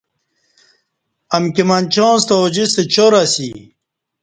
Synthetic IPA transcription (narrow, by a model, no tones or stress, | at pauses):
ɐmkimɐnt͡ɕõːnst̪ɐd͡ʑist̪et͡ɕoɾasḭ